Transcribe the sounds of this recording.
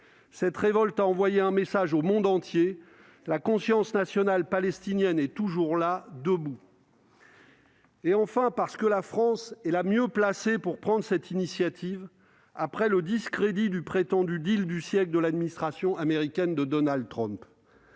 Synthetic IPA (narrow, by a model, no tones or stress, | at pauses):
sɛt̪ʁevɔlt̪aɑ̃vwajeɛ̃mesaʒomɔ̃d̪ɑ̃t̪je | lakɔ̃sjɑ̃snasjɔnalpalɛst̪injɛnɛt̪uʒuʁlad̪əbu | eɑ̃fɛ̃paʁsə̥kəlafχɑ̃sɛlamjøplasepuʁpχɑ̃d̪ʁsɛt̪inisjat̪ʰiv | apχɛləd̪iskχed̪id̪ypχet̪ɑ̃d̪yd̪ild̪ysjɛkld̪əlad̪minist̪χasjɔ̃ameʁikʲɛnd̪əd̪ɔnald̪̚t̪χɔ̃mp